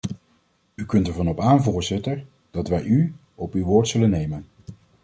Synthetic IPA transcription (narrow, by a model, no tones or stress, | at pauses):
ykɵntəɹvɑnɔpaːnvʊːɹzɪtəɹ | d̥ɑtʋɛjy | ɔpywʋʊːɹtsɵlənːejmən